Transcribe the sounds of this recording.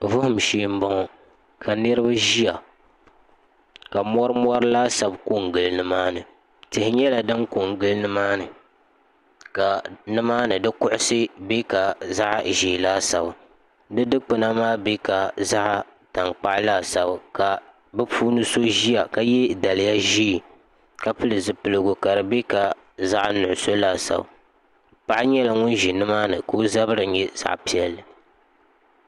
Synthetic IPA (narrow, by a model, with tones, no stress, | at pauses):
vʊ˦hʊ˦˨m̩˨ʃeː˦˨m̩˦bɔ˦ŋɔ˨ | kʰa˨nɨ˦ɾɨ˦ba˦ʒi˦a˨ | ka˨mɔ˦ɾɨ˦mɔ˦ɾɨ˦laː˦sa˨bko˦˨ŋɡɨ˨lnɨ˦maː˦nɨ˨ | tɨ˨hɪ˦ɲɛ˦la˨dɨ˦ŋko˨ŋ˨ɡɨ˦lnɨ˦maː˦nɨ˨ | ka˨nɨ˦maː˦nɨ˨dɨ˦kʊ˦ʔʊ˦sɨ˦be˦ka˨za˦ʔʒeː˨laː˦sa˨ba˨ | dɨ˦dɨ˦k͡pɨ˦na˦maː˦be˦ka˨za˦ʔ | ta˨ŋk͡pa˦ʔlaː˦˨sa˨ba˨ka˨ | bɨ˦puː˦nɨ˦so˦ʒi˦ja˨ka˦jɛ˦da˨lɪ˨ja˦ʒiː˦˨ | ka˦pɨ˦lɨ˨zɨ˨pɨ˨lɨ˨ɡʊ˨ka˨ɾɨ˨be˦ka˨ | za˦ʔnʊ˨ʔʊ˨so˦laː˦˨sa̰˨ba̰˨ | pa˨ʔɲɛ˦la˨ŋʊ˦nʒi˨nɨ˦maː˦nɨ˨koː˦za˦bɨ˦ɾɨ˨˦ɲɛ˦z̥a̰˦ʔpi˦ɛ˦lːɨ˨